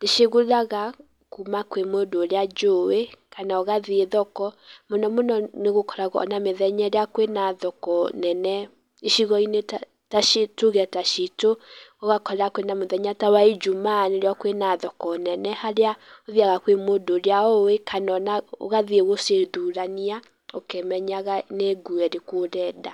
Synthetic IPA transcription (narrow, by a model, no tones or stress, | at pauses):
deʃeɣoðaɣa | kumakwemodoɾead͡ʒowekanaoɣaðeeðɔkɔmonɔmonɔneɣokɔɾaɣɔɔ̰nameðɛɲɛɾeakwenaðɔkɔnɛnɛ | iʃiɣɔineta | taʃitoɣɛtaʃitooɣakɔɾakwenamoðɛɲatawaid͡ʒumanoɾeakwenaðɔkɔnɛnɛhaɾeaoðiaɣakwemodoɾeaoekanɔnao̰ɣaðeeɣoseðuɾania | okemɛɲaɣaneɡuɛɾekwoɾɛːda